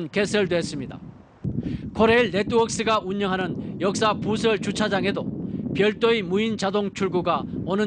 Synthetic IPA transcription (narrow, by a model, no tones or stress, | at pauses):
nke̞sʰʌɭdwes͈ɯmɲida̰ | kʰoɾe̞iɭːe̞t͈ʰuʌk̚s͈ɯɡaʔuɲːʌŋɦanɯnjʌk̚s͈apus̬ʰʌɭt͡ɕut͡ɕʰad͡ʑaŋe̞dopjʌɭt͈oimuint͡ɕadoŋt͡ɕʰuɭɡuɡaʌnɯ